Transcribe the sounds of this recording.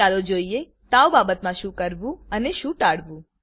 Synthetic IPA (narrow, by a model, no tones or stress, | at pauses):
alod͡ʒoie | t̪aobabət̪mãʃũkəɾʋũəneʃũʈaɽʋũ